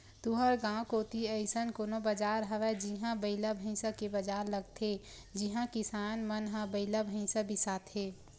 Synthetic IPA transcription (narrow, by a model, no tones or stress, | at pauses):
t̪uɦəɾɡãːkoːt̪iəɪsənkoːnobəd͡ʒaːɾɦəʋɛd͡ʒiɦãbəɪlabʱə̃ɪ̃sakebəd͡ʒaːɾləɡt̪ʰe | d͡ʒɪɦãkɪsaːnmənɦãbəɪlabʱəĩsabʱisaːt̪ʰɦeː